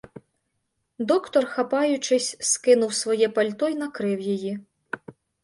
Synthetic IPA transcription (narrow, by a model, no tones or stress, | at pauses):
d̪ɔkt̪ɔrxapajʊt͡ʂɪsʲskɪnuwsʋɔjɛpalʲt̪ɔjnɐkɾɪwjaji